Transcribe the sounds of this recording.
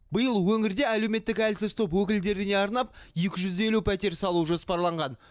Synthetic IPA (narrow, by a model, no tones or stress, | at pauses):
bəjəlˠwɵŋɪɾd̪e̞ælewme̞t̪ːɪkælsɪz̥t̪ʰo̞pwɵkʲɪld̪e̞ɾɪne̞ɑɾnɑp̚je̞kʲɪʒʏze̞lupʰæt̪e̞ɾsɑlˠuʒo̞spɑɾlˠɑɴʁɑn